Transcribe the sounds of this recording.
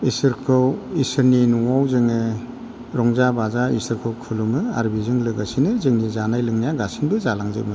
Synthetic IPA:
isɯɾkʰɯwisɯɾninuwawzɯŋɯ | ɾɔŋzabazaḭsɯɾkʰɯwkʰɯlumɯa̰ɾbizɯŋlɯɡasinɯzɯŋnizanajlɯŋnijaɡasinbɯzalaŋzɯ̰mɯ

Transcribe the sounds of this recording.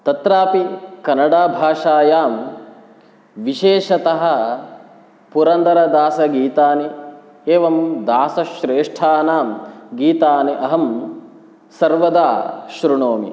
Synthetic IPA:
t̪ɐt̪ɾaːpikɐnɐɽaːbʱaːʂaːjaːm | ʋiʃeːʃɐt̪ɐɦɐ̆ | puɾɐnd̪ɐɾɐd̪aːsɐɡiːt̪aːni | eːʋɐmd̪aːsɐʃɾeːʂʈʰaːnaːmɡiːt̪aːniʔɐɦɐm | sɐɾʋɐd̪aːʃɾuɳoːmḭ

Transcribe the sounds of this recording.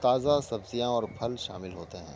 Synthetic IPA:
t̪aːzasɐbzijãɔːɾpʰɐlʃa̰ːmɪlɦoːt̪eɦɛ̰̃ː

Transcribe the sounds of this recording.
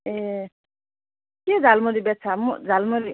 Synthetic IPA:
e | ked͡zalmoɾibet͡sʰamud͡zʱalmoɾi

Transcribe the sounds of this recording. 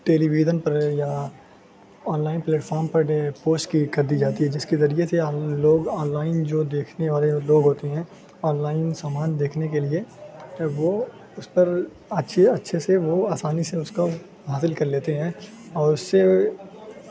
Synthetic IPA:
ʈeːliʋiːd͡ʒənpɐɾja | ɔːnlaːɪnpleːʈfʰɔːɾmpɐɾɖepoːsʈkikɐɾd̪id͡ʒaːt̪iɦɛd͡ʒɪskezɐɾieseloːɡɔːnlaːɪnd͡ʒoːd̪eːkʰneʋaːleloːɡɦoːt̪eɦɛ̃ː | ɔːnlaːɪnsaːmaːnd̪eːkʰnekelie | ʋo | ʊspɐɾ | ɐtːʃʰeɐtːʃʰeseʋoaːsaːniseʊska | ɦaːsɪlkɐɾleːt̪eɦɛ̃ːɔːɾʊsːe

